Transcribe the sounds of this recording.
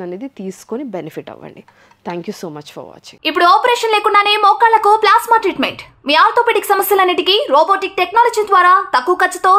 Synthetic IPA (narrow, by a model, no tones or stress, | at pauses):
ɐneːd̪it̪iːsu̥konibenipʰiʈɐ̰ʋːɐ̰ɳɖi | t̪ʰaːŋkjusoːmɐt͡ʃpʰɐ̰ɾʋa̰ːt͡ʃiŋipːuɽuaːpɐɾeːʃɐnleːkunːaːne̞ːmɔːkɐɳlɐkuplaːsmaːʈɾiːʈmḛɳʈ | miːaːɾt̪oːpeːʈiksɐmɐsjɐlɐniːʈikiɾoːboːʈik̚ʈeknaːlod͡ʒiːd̪ʋaːɾaːt̪ɐkːuːkɐt͡ʃːɐt̪oː